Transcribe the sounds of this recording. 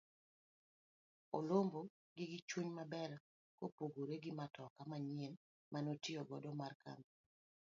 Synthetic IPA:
olombo | ɡɪɡɪt͡ʃuɲmabɛɾa | kopoɡoɾeɡɪmatɔkamaɲen | mʔanotɪɔɡɔdɔmarka̰m

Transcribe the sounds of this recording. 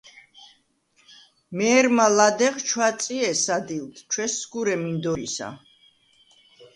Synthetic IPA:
mɛːɾmalad̪ɛʁt͡ʃʰwat̪sʼiɛsad̪ilt̪ʰt͡ʃʰwɛsɡuɾɛmind̪ɔɾḭsa̰

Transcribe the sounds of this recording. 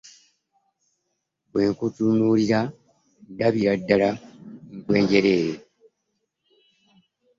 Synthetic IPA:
bwe̞ːŋkutunuliɾa | daβiɾadːalaŋ̩kwe̞ːɲɟe̞ɾeːjo

